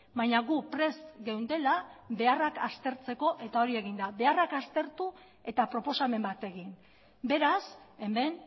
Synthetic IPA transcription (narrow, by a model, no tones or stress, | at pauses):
bajɲaɣupɾe̞st̪ɡewnd̪e̞labe̞arakast̪e̞ɾt͡se̞ko̞ʔe̞t̪ao̞ɾie̞ɣind̪aβe̞arakast̪e̞ɾt̪u | e̞t̪apɾo̞po̞same̞mbat̪e̞ɣin | be̞ɾase̞me̞n